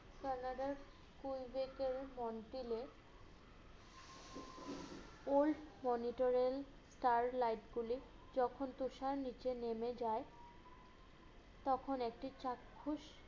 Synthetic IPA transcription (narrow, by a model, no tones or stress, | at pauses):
sanaɖaɾ | kujbekeɾmɔnʈile | olɖmɔniʈoɾel | sʈaɾlajʈɡulid͡ʑɔkʰont̪uʃaɾnit͡ɕenemed͡ʑae | t̪ɔkʰonek̚ʈit͡ɕakʰːuʃ